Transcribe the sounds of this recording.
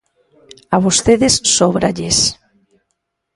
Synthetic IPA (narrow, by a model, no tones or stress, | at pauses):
aβost̪eðesːoβɾaʎes